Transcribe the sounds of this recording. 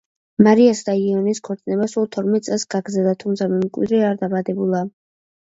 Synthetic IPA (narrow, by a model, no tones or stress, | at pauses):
maɾiasd̪aiɔniskʰɔɾt̪sʼnɛbasulˠt̪ʰɔɾmɛt̪̚ʼsʼɛlˠsɡ̥aɡɾd̪zɛlˠd̪at̪ʰumt̪sʰamɛmkʼwḭd̪ɾɛaɾd̪abad̪ɛbulˠa